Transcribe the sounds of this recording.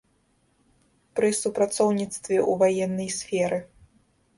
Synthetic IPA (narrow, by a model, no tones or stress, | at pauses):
pɾɨsupɾat̪sɔwnʲit̪st̪vʲɛʔuvajɛnːɐjsʲfʲɛɾɨ